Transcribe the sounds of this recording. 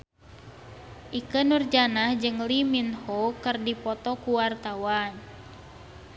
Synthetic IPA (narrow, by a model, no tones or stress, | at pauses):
ʔikənurd͡ʒanahd͡ʒɨŋliminhokɨrdipɔt̪ɔkuwart̪awan